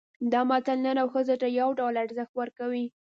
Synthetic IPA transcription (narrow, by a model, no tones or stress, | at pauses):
d̪ɑmɑt̪alnənawxəzoʈ̪ajawɖawlaɽzəxt̪wəɾkawi